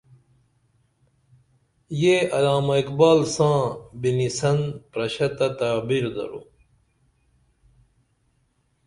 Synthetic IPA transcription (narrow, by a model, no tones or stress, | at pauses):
jeɐlaːmɐikbaːlsãːbinisɐnpɾɐɕɐt̪ɐt̪aːbiɾd̪ɐ̰ɾṵ